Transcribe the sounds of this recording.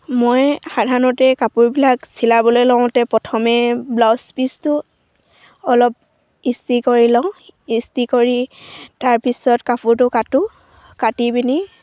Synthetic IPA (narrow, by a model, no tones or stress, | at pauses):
mojxadʱanɔtɛkapʊɹbilaksilabɔlojlɔ̃ʊ̃tɛpɔtʰɔmɛblɔspistʊ | ɔlɔp̚ | istikoɹilãistikoɹitaɹpisɔtkapʊɹtʊkatʊ | katibini